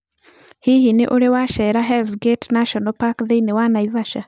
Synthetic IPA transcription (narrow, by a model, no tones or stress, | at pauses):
hihineʔoɾewaʃɛɾaɦɛlsɡetnaʃɔnɔpakðeinewanaivaʃa